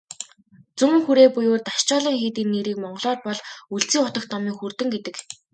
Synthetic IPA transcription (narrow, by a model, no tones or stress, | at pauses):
t͡sumɘ̆ŋxuɾeːpujoːt̪aʃt͡ɕɔːɮiːŋxeːt̪iːnːeɾiːkmɔɴɢ̆ɮɔːrpɔɮuɬt͡siːŋʊt̪ə̆kt̪ɔmiːŋxurt̪ɘ̆ŋɡet̪ɘ̆k